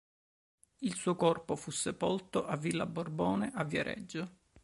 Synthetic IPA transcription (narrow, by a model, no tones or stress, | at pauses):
ilsuːokɔrpofusːepolt̪oʔavːilːabːorbɔːneʔavːjaɾʔɛ̰d͡ʒːo